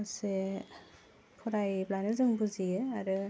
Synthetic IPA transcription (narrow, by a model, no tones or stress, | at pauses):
ase | kʰɔɾajblanɯzɯŋbuziɯaɾɯ